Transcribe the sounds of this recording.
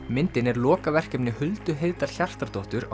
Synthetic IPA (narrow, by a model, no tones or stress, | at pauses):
mɪnt̪ɪnɛɾlɔːkavɛr̥cɛpnɪhʏlt̪ʏɦejðt̪al̥çar̥t̪aɾt̪oht̪ʏɾa